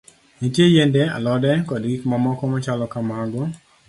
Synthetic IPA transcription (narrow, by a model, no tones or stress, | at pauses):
nitjejendea̰lɔdɛkɔdɡikmamɔkɔmat͡ʃalɔkamaɡɔ